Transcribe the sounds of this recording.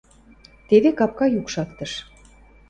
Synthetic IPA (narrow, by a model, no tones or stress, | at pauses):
t̪eβekɑp̚kɑjukʃɑkt̪əʃ